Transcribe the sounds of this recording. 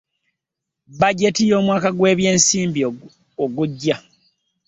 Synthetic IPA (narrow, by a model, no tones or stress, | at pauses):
baɟe̞tijo̞ːmwaːkaɡwe̞ːβje̞ːnsiːmbi | oɡuɟːa